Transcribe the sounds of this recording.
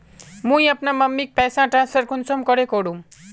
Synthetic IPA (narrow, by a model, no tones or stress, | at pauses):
mũjʌpnamʌmːik̚pasãʈrãnsʌrkunsʌmkʌɾekoɽũ